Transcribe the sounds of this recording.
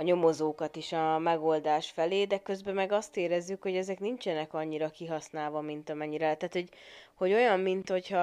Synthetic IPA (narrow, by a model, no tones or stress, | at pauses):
ɒɲo̞mo̞zoːkɒt̪iʃɒmɛɡo̞ld̪aːʃfɛleːd̪ɛkø̞zbɛmɛɡɒst̪eːɾɛzːykhoɟɛzɛknint͡ʃɛnɛkɒɲːiɾɒkiɦɒsnaːlvɒmint̪ɒmɛɲːiɾɛt̪aːt̪ho̞ɟho̞ɟo̞jɒmːint̪ho̞chɒ